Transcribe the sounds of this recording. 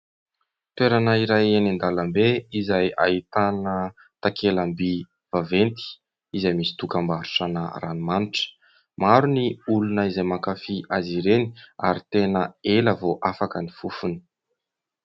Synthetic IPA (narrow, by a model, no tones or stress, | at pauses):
t̪weɾanaiɾajenind̪aləmbeizaja̰it̪anə | t̪akʰelambi | v̥avent̪i̥ | izajmisi̥t̪ukambaɾu̥ʈ͡ʂanə̰rʔanimaniʈ͡ʂə̥ | maɾuniulunəizajmakafiʔaziɾenia̰ɾit̪enəeləvoʔafakənifufuni̥